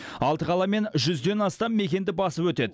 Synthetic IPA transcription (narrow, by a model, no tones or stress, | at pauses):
ɑlˠt̪əqʰɑlˠɑme̞nʒʏzd̪e̞nɑst̪ɑmːe̞kʲe̞nd̪ɪbɑsəpwɵt̪e̞d̪ɪ